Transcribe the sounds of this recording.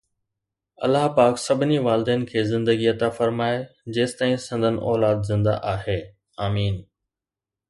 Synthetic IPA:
ɐ̰lːaɦpaːksɐbʱɪniʋaːld̪eːnɪ̆kʰeːzɪ̃nd̪əɡiɐt̪afɐɾmaːed͡ʑeːst̪aːĩsɪ̃nd̪ʱənɪ̰̆ʔɔːlaːd̪zɪ̃nd̪a̰ʔaːɦeː | aːmiːn

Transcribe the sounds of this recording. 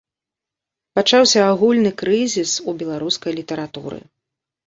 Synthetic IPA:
pat͡ʂawsʲɐːɣulʲnɨkɾɨzʲisubʲɛlˠaɾuskɐjlʲit̪ɐɾat̪ṵɾɨ̰

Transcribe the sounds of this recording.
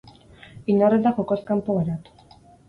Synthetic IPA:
inoret̪axokoskampoɣeɾat̪u̥

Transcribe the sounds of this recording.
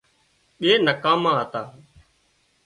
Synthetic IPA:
ɓeːnəkãːmãːɦət̪aː

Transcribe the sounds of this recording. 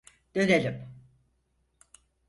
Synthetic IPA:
d̪̥ønelʲim

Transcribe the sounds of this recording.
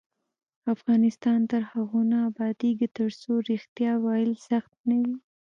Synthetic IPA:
afɣɑnɪst̪ɑnt̪əɾhaɣunaːbɑd̪iɡət̪əɾsoɾɪxt̪jɑwɑɪlsaxt̪̚nawi

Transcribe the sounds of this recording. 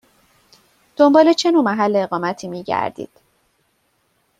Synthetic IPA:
d̪̥o̞mbɒːle̞t͡ʃʰe̞nuːmæɦælːeːɣɒːmæt̪ʰiːmiːɟæ̰ɾd̪ḭːd̪̥

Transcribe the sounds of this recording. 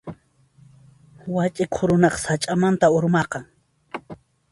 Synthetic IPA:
wat͡ʃʼɪkʰʊɾʊnɑχsat͡ʃʼamant̪aʊɾmɑqɑŋ

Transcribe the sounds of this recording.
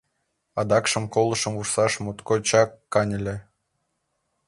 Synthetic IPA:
ɑd̪ɑkʃə̆mkolˠɤ̆ʃə̆mursɑʃmut̪kot͡ɕɑkːɑnʲɘ̆lʲĕ

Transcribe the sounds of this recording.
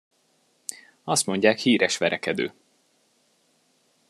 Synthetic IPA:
ɒst̪mo̞ɲɟaːkhiːɾɛʃʋɛɾɛkɛd̪ø̰ː

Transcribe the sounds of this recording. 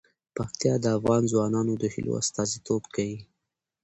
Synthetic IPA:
paxt̪jɑd̪əafɣɑnzwɑnɑnod̪əhɪ̰lʔo̰a̰st̪ɑzit̪obkawi

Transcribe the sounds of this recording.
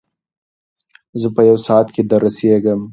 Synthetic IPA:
zəpəjawsɑt̪ked̪aɾaseɡəm

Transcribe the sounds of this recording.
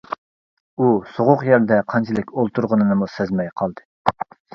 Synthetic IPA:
usoʁʊqjɛɾd̪ɛqʰɑnt͡ʃʰilɪkʲolˠt̪uɾʁənɨnɨmusɛzmɛjqʰɑlˠd̪ɨ

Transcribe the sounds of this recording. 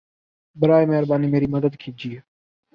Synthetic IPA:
bɪɾaːemeɦɾbaːniːmeːɾiːməd̪əd̪kʰiːd͡ʒiːe

